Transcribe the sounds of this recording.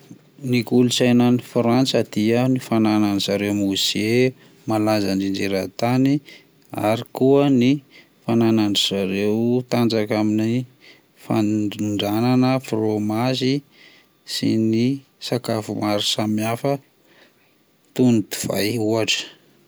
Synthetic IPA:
nikulusajnanifɾant͡səd̪̥iənifanananiz̥aɾewmuze | malazanind͡ʒeɾat̪ani | a̰ɾikuəni | fananaɳiz̥aɾewt̪and͡zakamini | fa̰ɳɖ͡ʐananəfromazi | sḭni | sakafumaɾisamiafə | t̪unid̪u̥v̥a̰juaʈ͡ʂə̥

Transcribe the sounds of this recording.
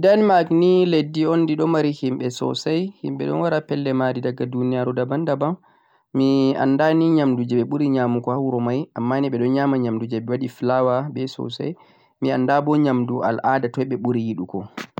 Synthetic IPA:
danmakniledːiondiɗɔmaɾihimɓɛsɔ̰sajhḭmɓɛ̰ɗɔ̰nwaɾapɛlːɛmadidaɡːadunijaɾudabandabam | mia̰nːdaniɲamdud͡ʒɛɓɛɓuɾiɲamukɔhawɾɔmajʔamːaniɓɛɗɔnɲamaɲamdud͡ʒɛɓɛwaɗiflawabɛsɔ̰sa̰j | miandabɔɲamdua̰lʔadatɔjɓɛɓuɾijiɗukɔ

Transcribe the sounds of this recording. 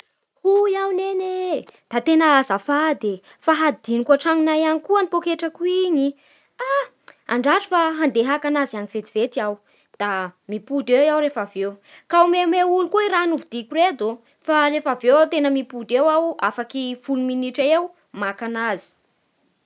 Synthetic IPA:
hujawnened̪̥at̪enaazafad̪e | faɦad̪inikaʈ͡ʂaŋunajanikuənipokeʈ͡ʂəkuiɲi | a | a̰ɳɖ͡ʐaʈ͡ʂi̥faɦand̪eɦakanazaniv̥et̪i̥v̥et̪iaw | d̪̥amipud̪ewawɾefavewkaumemeulukoiɾanuvud̪ikured̪o | farefavewat̪enəmipud̪ewawafakifuluminiʈ͡ʂaew | makanazi̥

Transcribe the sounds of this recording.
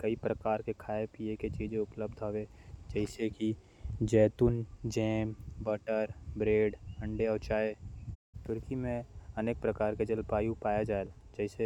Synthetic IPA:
kəipɾəkaːɾkekʰaːepieket͡ʃiːd͡ʒẽʊpləbd̪ʱɦoʋed͡ʒəɪseki | d͡ʒɛːt̪ʊnd͡ʒɛːmbəʈəɾbɾeːɖə̃ɳɖeɔːt͡ʃaːe | t̪ʊɾkimẽəneːk̚pɾəkaːɾked͡ʒəlpaːjupaːjad͡ʒaːeld͡ʒəɦɪse

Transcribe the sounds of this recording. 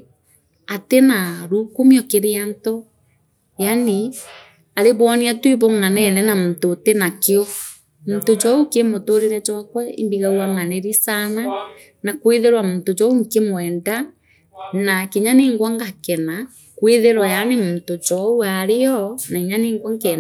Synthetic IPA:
atenaɾukumiɔkeɾeanto | jani | aɾeβɔːneatweβoŋanɛnɛnamutotenakeɔ | mutod͡ʒɔukemotoɾeɾɛd͡ʒwakwɔḭmbiɣawaŋaneɾisana | nakweðeɾwamuntod͡ʒɔuŋkemwɛːnda | nakeɲaneːŋɡwaŋɡakɛna | kweðeɾwajanemuntod͡ʒɔuaɾeɔnaiɲaneːŋɡwaŋk

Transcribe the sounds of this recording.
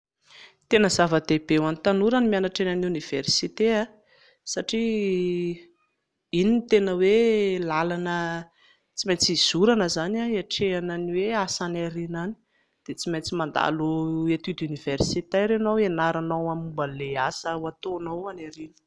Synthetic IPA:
t̪enəzavəd̪ebewanit̪anuɾanimianaʈ͡ʂenanuniv̥ersit̪ea | saʈ͡ʂi | init̪enəwelalanə | t͡simejt͡siz̥uɾanəzanaiaʈ͡ʂeananiweasanaɾinani̥ | d̪̥et͡simejt͡simand̪a̰loet̪id̪univ̥ersit̪eɾenowenaɾanawamumbəleasəat̪onawanaɾinə̥

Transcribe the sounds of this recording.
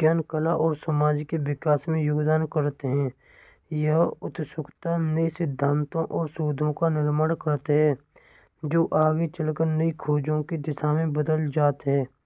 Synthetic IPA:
ɡjaːnkəlaʔɔːɾsəmaːd͡ʒkeʋɪkaːsmẽjʊɡd̪aːnkəɾt̪eɦɛ̃ː | jəɦʊt̪sʊkt̪anəisɪd̪ʱːãːnt̪õʔɔːɾsuːd̪ʱõkanɪɾməɽkəɾt̪eɦɛ̃ː | d͡ʒoːʔaːɡet͡ʃəlkəɾnəikʰoːd͡ʒõkid̪ɪsaːmẽbəd̪əld͡ʒaːt̪ɦɛː

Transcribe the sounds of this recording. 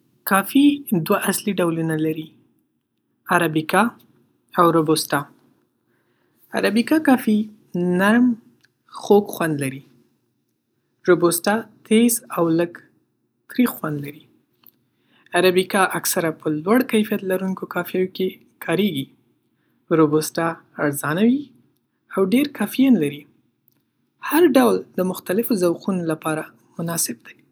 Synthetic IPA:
kɑfid̪waʔasliɖawlunalaɾi | aɾabikɑ | awɾobostɑ | a̰ɾabikɑkɑfi | naɾm | xoɡxwand̪laɾi | ɾobostɑt̪ʰezawləɡ | t̪ɾixxwand̪laɾi | aɾabikɑʔaksaɾapəlwaɽkajfijat̪laɾunkokɑfjajoke | kʰɑɾeɡi | ɾobosʈɑaɾzɑnawi | awɖeɾkʰɑfijanlaɾi | haɾɖawld̪əmʊxt̪alɪfozawqunolapɑɾa | mʊnɑsɪb̚d̪aj

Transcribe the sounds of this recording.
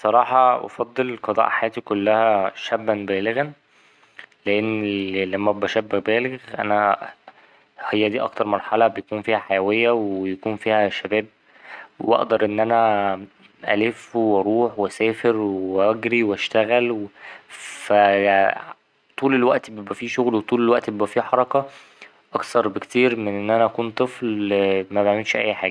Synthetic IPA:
sˤɑɾˤɑːħɑʔɑ̰fɑd̪ˤːelqɑd̪ˤɑ̰ːʔħajæːt̪ikolːæhæʃæbːænbæːleɣæn | leʔenːlæmːæbæʃæbːæbæːleɣɣʔæ̰næ | hejːæd̪iːʔɑ̰kt̪ɑɾˤmɑɾˤħɑlɑbejækuːnfiːhæħajæwejːæwejækuːnfiːhæʃæbæːb̚ | wʔɑ̰ʔd̪ɑɾˤʔenːʔænæ | ʔæ̰lefweɾuːħwesæːfeɾweʔæɡɾiwæʃt̪æɣælwefæ | t̪ˤuːlelwæʔt̪bebʔæfiːʃoɣlwet̪ˤuːlelwæʔt̪bebʔæfiːħɑɾˤɑkɑ | ʔɑkt̪ɑɾˤbekt̪iːɾmenʔenːʔænæʔækuːnt̪ˤɨflmæbaʕmelʃʔæ̰jːħa̰ːɡæ

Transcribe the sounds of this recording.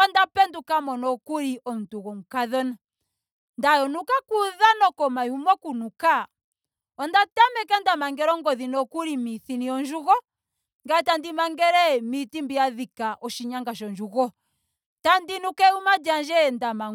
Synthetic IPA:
ɔndapɛndukamɔnɔkuɾiʔɔm̩tuɣɔm̩kaðɔna | ndajɔnukakuðanɔkɔmaumɔkunuka | ɔndatamɛkɛndamaŋɡɛɾɔŋɡɔðinɔkuɾimiθiniɔnd͡ʒuɣɔ | ŋɡatandimaŋɡɛɾɛmitimbiaðikaʔɔʃiɲaŋɡaʃɔnd͡ʒuɣɔ | tandinukɛumad͡ʒand͡ʒɛndama

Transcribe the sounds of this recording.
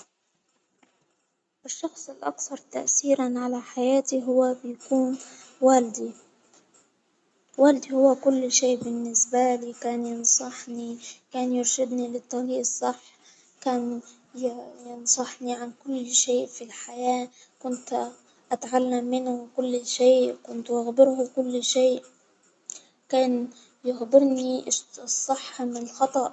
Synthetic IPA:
ʔɪʃːɑxsˤɪlʔɑ̰kθɑɾˤt̪a̰ʔθiːɾanʕalaħajaːt̪iɦʊwːabɪjakuːnwaːld̪i | waːld̪ihʊwːakʊlːʃeːʔbɪnːɪsbaliːkaːnjɪnsˤɑħnikaːnjʊɾʃɪd̪nilɪt̪ˤːɑliːʔɨsˤːɑħː | kaːn | jɪnsˤɑħniʕankʊlːʃeːʔfilħajaː | kʊnt̪ | ʔat̪ʕalːamːɪnʊwɪkʊlːʃeːʔkʊnt̪waɣbɪɾhʊkʊlːʃeːʔ | kaːn | jɪxbɪɾnisˤːɨħːmɪnɪlxɑt̪ˤɑʔ

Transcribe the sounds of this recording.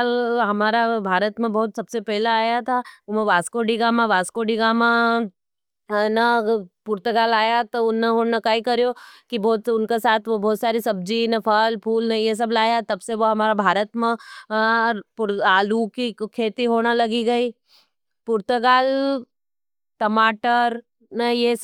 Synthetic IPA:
alɦɐmaːɾabʱaːɾət̪mẽbɔːt̪sɐbsepɛɦlaaːjat̪ʰamẽʋaːskoːɖiɡaːmãʋaːskoːɖiɡamã | nɐpʊɾt̪əɡaːlaːjat̪oʊnaɦonɐkaːikɐɾjoːkibɔːt̪sʊnkesaːt̪ʰʋobɔːt̪saːɾisɐb̚d͡ʒinɐpʰɐlpʰuːlnɐjes̬ɐblaːjat̪ɐbseʋoɦɐmaːɾabʱaːɾət̪mẽ | ɾpʊɾaːlukikʰeːt̪iɦoːnalɐɡiɡɐiː | pʊɾt̪əɡaːl | ʈɐmaːʈəɾ | nɐje

